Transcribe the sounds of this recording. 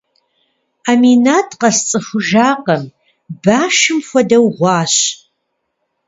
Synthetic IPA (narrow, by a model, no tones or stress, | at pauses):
aminaːtʰqɐst͡sʼɨfʷʊʒaːqɐm | baːʃɨmxʷɔdɐwʁʷɑːɕ